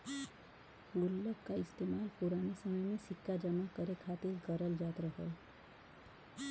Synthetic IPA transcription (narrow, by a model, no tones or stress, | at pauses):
ulːəkkaɪst̪emaːlpuɾanesəməjmẽsɪkːad͡ʒəmakəɾekʰaːt̪ilkəɾəld͡ʒaːt̪ɾəɦə